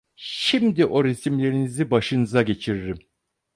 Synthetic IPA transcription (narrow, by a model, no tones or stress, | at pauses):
ʃimd̪iʔo̞ɾisimlʲe̞ɾinizibaʃɯnɯzaɟe̞t͡ʃʰiɾiɾim